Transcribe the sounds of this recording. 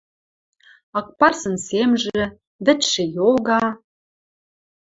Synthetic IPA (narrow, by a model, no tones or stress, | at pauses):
ɑk̚pɑrsɤ̆nsemʒĕ | βɘ̆t̪ʃĕjoɣɑ